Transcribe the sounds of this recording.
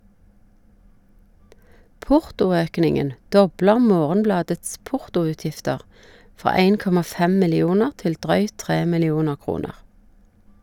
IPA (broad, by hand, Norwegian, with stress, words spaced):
ˈpʊʁtʊˌøːknɪŋən ˈdɔbləʁ ˈmoːʁənˌblɑːdəts ˈpʊʁtʊʉːˌtjɪftəʁ ˈfʁɑː ˈæɪn ˈkɔmɑ ˈfɛm mɪlɪˈuːnəʁ ˈtɪl ˈdʁœʏt ˈtʁeː mɪlɪˈuːnə ˈkʁuːnəʁ